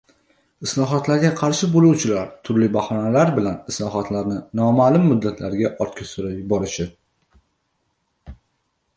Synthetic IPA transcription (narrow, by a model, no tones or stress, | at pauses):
ɪslˠɒɦɒt̪laɾɡʲaqʰɑɾʃɪbolˠuwt͡ʃʰɪlaɾt̪ʰʊɾlɪbahɒnalaɾbɪlanɪslˠɒɦɒt̪ʰlaɾnɪnɒmalʊmːʊd̪ːat̪ʰlaɾɡʲaʔɒɾt̪̚kʲʰasʊɾajbɒɾɪʃɪ